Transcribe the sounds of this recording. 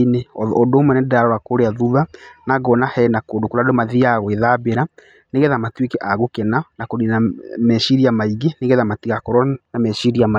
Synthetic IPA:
ineɔɔdomɛnɛdaɾɔɾakoɾeaðuðanaɣɔnahɛnakoːdokoɾadomaðiaɣweðabeɾa | neɣɛðamatwekɛʔaɣokɛnanakoninamɛʃiɾiamaiɣeneɣɛðamatiɣakɔɾɔnamɛʃiɾiama

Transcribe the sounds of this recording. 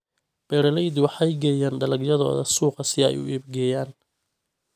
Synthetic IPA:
b̥ɛɾɐlɛjd̪wɑħɑjɡɛːjaːnɖɐlɐɡjɐðɔ̰ːðɐ̰suːqɑsɪɛ̰jʊ̰ʔiːb̚ɡɛːjaːn

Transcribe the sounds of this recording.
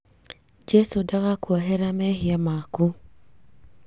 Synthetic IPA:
d͡ʒɛsudaɣakwɔɦɛɾamɛhɪamaku

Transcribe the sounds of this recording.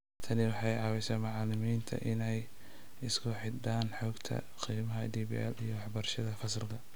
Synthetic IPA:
t̪ʰɐnɪwɑħɑjʕɑːβɛjsɛmɑʕɑlɪmiːnt̪ʰɐ̰ʔɪnɛj | ɪskʰʊħɪd̪aːnħɔːɡt̪ʰɐ̰ | qiːmɐɦɐd̪iːbḭɛlijɞwɑħbɐrʃɐðɐfɐsrkʰɐ

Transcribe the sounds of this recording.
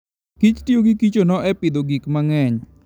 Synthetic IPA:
kit͡ʃtioɡikit͡ʃonɔɛpɪd̪oɡikmaŋɛɲ

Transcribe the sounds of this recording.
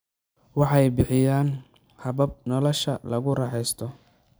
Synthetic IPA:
wɑħɑjbɪħɪjaːn | hɐβɐb̚nɔlɔʃɐlɐɣʊrɑħɛjst̪ʰɔ

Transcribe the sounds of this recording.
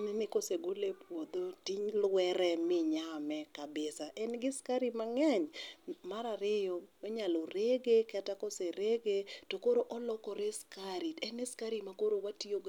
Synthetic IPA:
mɪnɪkoseɡolepwod̪otiɲlwɛɾɛmɪɲamɛkabɪsaʔɛnɡɪskaɾimaŋɛɲmaɾaɾɪjooɲaloɾeɡekɛtakoseɾeɡetokoɾoʔɔlɔkɔɾeskaɾiɛnɪskaɾimakoɾowatioɡ

